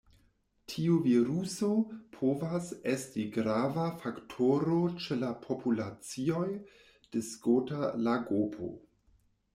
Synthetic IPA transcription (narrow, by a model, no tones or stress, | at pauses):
tʰiuviɾusopʰovase̞stiɡɾavafaktʰoɾot͡ʃelapʰopʰulat͡sio̞j | d̥eskotalaɡopʰo̰